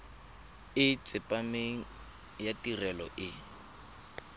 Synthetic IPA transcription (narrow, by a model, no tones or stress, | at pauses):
ɪt͡sʼɪpʼameŋ̩ | jatʼirɛlɔʔɪ